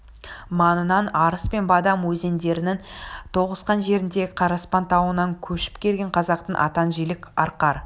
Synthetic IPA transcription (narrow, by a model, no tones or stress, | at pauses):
mɑnənɑnɑɾəspe̞nbɑd̪ɑmwɵze̞nd̪e̞ɾɪnɪŋt̪ʰo̞ʁəsqɑnʒe̞ɾɪnd̪e̞ɪqʰɑɾɑspɑnt̪ʰɑwənɑŋkʲʰɵʃɪ̥pkʲʰe̞lɡʲe̞ɴqʰɑzɑq̚t̪əɴʔɑ̰t̪ɑnʒijlɪkʲɑɾqɑɾ